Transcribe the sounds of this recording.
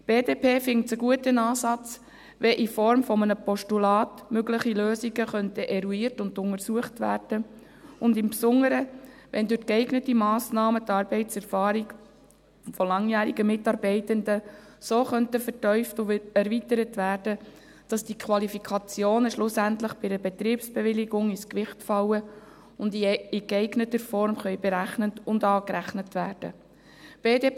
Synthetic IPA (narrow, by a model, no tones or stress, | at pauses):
b̥eːdeːpʰeːfɪŋt͡səɡuətənɑːsɑt͡s | ʋɛʔifɔɾmfɔmənəpɔʃtulɑːtmøɡlɪχiløːsiɡəχœntəʔɛɾuiːɾtʊndʊŋəɾsuəχtʋæ̰ːrd̥ə | ʊndɪmpsʊŋəɾəʋɛndʉɾkɛɪɡnətimɑːsnɑːmətɑːɾb̥ɛɪtsɛɾfɑːɾiɡ | fɔlɑŋjæːɾiɡəmɪtɑɾbɛɪtəndə | soːχœntəfərtœʏftʊɛɾvitəɾətʋæːɾd̥ə | d̥ɑsd̥ikʰʋɑlifikʰɑt͡sjoːnəʃlʊsæntləχb̥ɪdəbɛt̪ɾiːpsb̥eʋɪlɪɡʊŋɪskʋɪχtfɑwə | ʊndɪɛɪɡnətəɾfɔɾmχœʏbeɾæχnətʊndɑːkɾæχnətʋæːɾd̥ə̰ | b̥eːde